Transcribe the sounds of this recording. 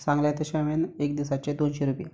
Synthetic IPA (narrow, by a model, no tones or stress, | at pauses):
sãŋɡljat̪əɕãʋenekd̪isat͡ɕed̪onɕeɾupḭː